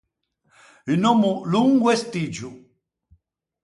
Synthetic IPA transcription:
inɔmuluŋɡwɛst̪id͡ʒu

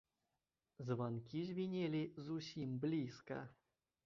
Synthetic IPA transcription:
zvankʲizʲvʲinʲelʲizusʲimblʲiskɐ̰

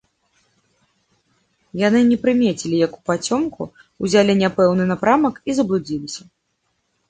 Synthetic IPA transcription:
jan̪ɨnʲɛpɾɨmʲet͡sʲilʲijɐku̥pat͡sʲɔmku | uzʲalʲinʲapɛwnɨnapɾamɐkizɐblʲˠud͡zʲilʲisʲɐ

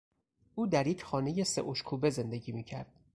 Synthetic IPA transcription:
ʔuːd̪æɾjecʰxɒːne̞je̞se̞̰ʔoʃkʰuːbe̞ze̞nd̪e̞ɟiːmiːcʰæɾd̪̥

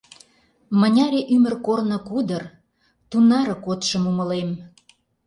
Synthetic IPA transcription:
mə̆nʲɑɾʲeʔymərkornə̆kud̪ər | t̪unɑɾɤ̆kot̪ʃə̆mumə̆lem

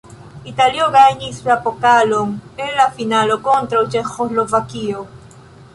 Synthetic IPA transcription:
it̪aljoɣaiɲisapokaloŋenlafinalokont̪ɾaot͡ʃexoslovakio

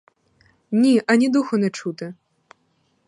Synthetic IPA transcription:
nʲiʔɐnʲid̪uxʊnɛt͡ʂut̪ɪ

